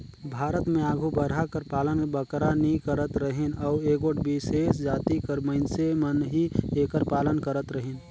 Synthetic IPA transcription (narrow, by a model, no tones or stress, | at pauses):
bʱaːɾət̪mẽaːɡʱubəɾɦakəɾpaːlənbəkɾanĩkəɾət̪ɾəɦenɔːɾeːkoʈbiseːsd͡ʒaːt̪ikəɾməɪnsemənɦieːkəɾpaːlənkəɾət̪ɾəɦen